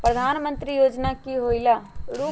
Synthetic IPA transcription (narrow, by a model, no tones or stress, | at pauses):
pɾəd̪ʱaːnmə̃nt̪ɾijoːd͡ʒnakiɦoːilaɽuː